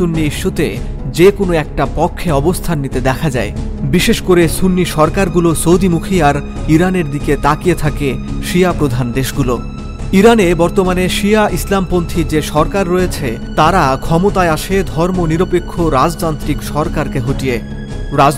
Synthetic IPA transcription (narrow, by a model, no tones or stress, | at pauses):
unːiiʃːut̪e | d͡ʑekonoɛk̚ʈapɔkʰːeɔbost̪ʰanːit̪ed̪ɛkʰad͡ʑaebiʃeʃkoɾesunːiʃɔɾkaɾɡulosowd̪imukʰiaɾ | iɾaneɾd̪iket̪akijet̪ʰakeʃiapɾod̪ʱand̪eʃɡulo | iɾanebɔɾt̪omaneʃiaʔislampont̪ʰid͡ʑeʃɔɾkaɾːɔjet͡ɕʰet̪aɾakʰɔmot̪aeaʃed̪ʱɔɾmoniɾopekʰːoɾad͡ʑd̪ant̪ɾikʃɔɾkaɾkeɦoʈie | ɾa